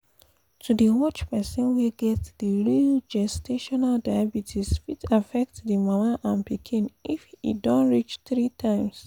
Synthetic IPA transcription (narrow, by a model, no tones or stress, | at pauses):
tʰudiwɔt͡ʃpɛsɔ̃nwiɡɛtdiɹild͡ʒɛsteʃɔnaldajabitʰisfitʰafɛk̚tdimamaʔãnpikʰĩnifḭdɔ̃nɹit͡ʃθɹitʰãɪ̃ms